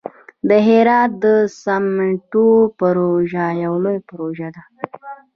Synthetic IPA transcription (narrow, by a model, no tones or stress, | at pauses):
d̪əɦeɾɑt̪̚d̪əsamɪɳʈopaɾoʒajawlojapaɾoʒad̪a